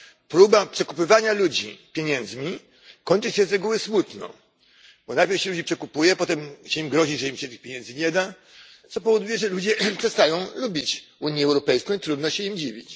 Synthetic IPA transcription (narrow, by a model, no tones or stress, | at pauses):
pɾubapʂɛkupɘvaɲalud͡ʑḭpʲjeɲɛnd̪zmʲi | kɔɲt͡ʂɘɕɛzɾɛɡuwɘsmut̪nɔ̰̃ | bɔnapʲjɛɾɕɛlud͡ʑipʂɛkupujɛpɔt̪ɛmɕɛimɡɾɔʑiʐɛimɕɛt̪ɘxpʲjeɲɛnd̪zɘɲɛd̪a | t̪sɔpɔvɔd̪ujɛʐɛlud͡ʑɛpʂɛst̪ajɔ̃w̃lubʲit͡ɕuɲjɛɛwɾɔpɛjskɔ̃w̃it̪ɾud̪nɔɕɛimd͡ʑivʲit͡ɕ